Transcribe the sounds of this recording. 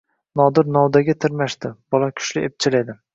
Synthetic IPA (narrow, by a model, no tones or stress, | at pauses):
nɒd̪ɪɾnɒwd̪aɡʲat̪ʰɪɾmaʃd̪ɪb̥ɒlakʲʰʊ̥ʃlɪep̚t͡ʃʰɪled̪ɪ